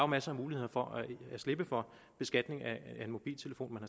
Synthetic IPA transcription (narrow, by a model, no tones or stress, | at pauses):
ɑʊmæsəɑmuːlihe̝ð̰ˠɐfɒ̽ʔææsle̝b̥əfɒ̽ | b̥e̝sɡ̥æd̥ne̝ŋææe̝nmo̝b̥ḭːlt͡sʰe̝ləfo̝̰ːnmænhɑ̈